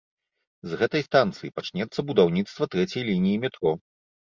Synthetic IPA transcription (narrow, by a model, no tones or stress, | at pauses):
zɣɛt̪ɐjst̪ant̪sɨjipat͡ʂnʲɛt̪sːɐbud̪awnʲit̪st̪vɐt̪ɾɛt͡sʲɐjlʲinʲijimʲɛt̪ɾɔ